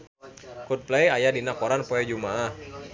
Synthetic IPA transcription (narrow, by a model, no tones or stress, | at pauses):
kut̪̚plejajadinakoɾanpɔɛd͡ʒumaʔah